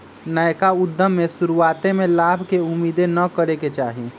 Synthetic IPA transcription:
nəjkaʊd̪ʱːəmːẽsʊɾuaːt̪emẽlaːbʱkeʊmiːd̪enəkəɾeket͡ʃaːɦi

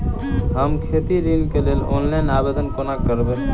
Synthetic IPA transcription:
ɦəmkʰet̪iɾinkelelo̰nlajnabed̪ənkonakəɾbe

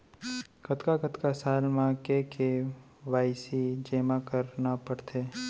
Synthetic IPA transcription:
ɡət̪kaɡət̪kasaːlmãkeke | ʋaːɪsid͡ʒeːmakəɾnapəɽt̪ʰeː

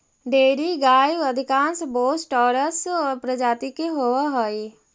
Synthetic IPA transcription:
ɖeːɾiɡaːjʋəd̪ʱɪkãːnsboːsʈɔːɾəsɔːɾpɾəd͡ʒaːt̪ikeɦowaɦoi

